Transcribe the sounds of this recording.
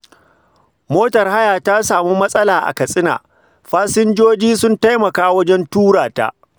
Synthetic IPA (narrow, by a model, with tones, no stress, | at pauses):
moː˦tɐ˨rha˦jaː˨ta˦saː˨mu˦mɐ˦sʼɐ˦laː˨ʔa̰˨kɐ˨sʼɪ˦na̰ː˨ | ɸaː˦sɪ˦nd͡ʒoː˦d͡ʒiː˦sʊ˦nta˦jmɐ˨kaː˦wɐ˦d͡ʒɛ˦ntuː˦ɽaː˨ta̰˦